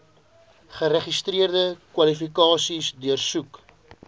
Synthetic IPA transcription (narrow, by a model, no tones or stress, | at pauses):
χəɾəχistriərdəkwɐlifikɑːsisdyərsuk